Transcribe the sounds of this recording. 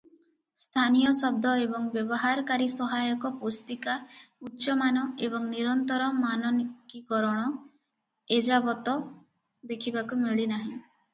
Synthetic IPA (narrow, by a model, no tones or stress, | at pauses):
st̪ʰanijɔsɔb̚d̪ʱɔebɔŋbjɔbɔɦaɾɔkaɾisɔɦajɔkɔpost̪ikautːʃɔmanɔebɔŋniɾɔnt̪ɔɾɔmanɔnikikɔɾɔɽ̃ɔ | ed͡ʒabɔt̪ɔ | d̪ekʰibakumiɭinaɦĩ